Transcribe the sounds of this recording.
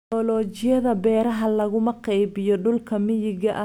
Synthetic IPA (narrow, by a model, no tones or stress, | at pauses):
ɔːlɔːt͡ʃɪjɐðɐbɛːɾɐɦɐlɐɣʊmɐqɑjbɪjɔɖʊlkʰɐmɪjɪɣɐʔ